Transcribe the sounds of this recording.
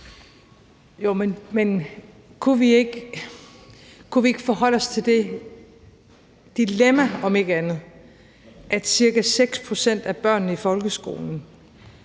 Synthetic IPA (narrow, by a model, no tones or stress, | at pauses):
jomenmen | kʰuʋieɡ̥ | kʰuʋie̝ɡ̥əfɒ̽ɦɒ̽l̰ɒ̽st͡sʰe̝ld̥e̝ | d̥ilemæɒ̽me̝ɡ̥əænð̞̩ˠ | ʔæ̥siɐɡ̥æseɡ̥spʰʁo̝sen̰d̥æb̥ɶɐ̰nːəifɒ̽lɡ̥əsɡ̥o̝̰ːln̩